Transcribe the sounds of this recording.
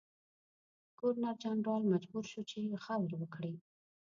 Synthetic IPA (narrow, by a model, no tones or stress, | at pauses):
koɾnaɾd͡ʒɑnɖɑlmad͡ʒbuɾʃut͡ʃexabɾwəkɽi